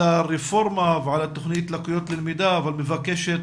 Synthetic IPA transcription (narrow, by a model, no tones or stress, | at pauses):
aɾefoɾmaveʕalat̪oχnit̪lakujot̪lelmid̪aːvalmevakeʃet̪